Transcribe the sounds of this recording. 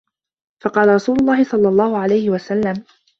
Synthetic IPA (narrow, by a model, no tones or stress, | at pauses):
fɑqɑːlaɾˤɑsuːlʊlˤːɑːhɪsˤɑlːɑlˤːɑːhʊʕalajhɪwasalːam